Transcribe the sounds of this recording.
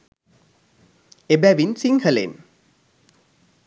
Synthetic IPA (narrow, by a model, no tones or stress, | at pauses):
ebæʋinsiŋhəlḛn